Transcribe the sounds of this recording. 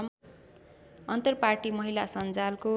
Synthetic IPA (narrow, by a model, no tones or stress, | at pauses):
ʌnt̪ʌrparʈimʌɦilasʌnd͡zalko